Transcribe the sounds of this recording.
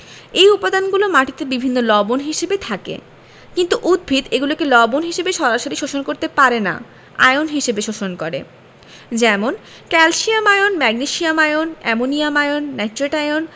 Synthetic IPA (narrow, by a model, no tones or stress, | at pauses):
ejupad̪anɡulomaʈit̪ebibʱinːolɔbonɦiʃebet̪ʰakḛ | kint̪uʔud̪̚bʱid̪eɡulokelɔbonɦiʃebeʃɔɾaʃoɾiʃoʃonkoɾt̪epaɾena̰ | a̰jonɦiʃebeʃoʃonkoɾḛ | d͡ʑɛmon | kɛlʃiamajonmɛɡniʃiamajonɛmonijamajonːatɾeʈajon